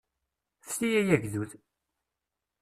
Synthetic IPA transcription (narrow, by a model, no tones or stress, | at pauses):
θtijæjæʝðuð